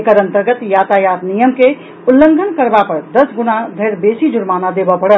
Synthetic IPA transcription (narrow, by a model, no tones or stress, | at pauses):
ekəɾənt̪əɾɡət̪jat̪ajat̪nijəmke | ulːəŋɡʱənkəɾbapəɾd̪əsɡunad̪ʱəɾbesid͡ʒuɾmanad̪ebəpəɽət̪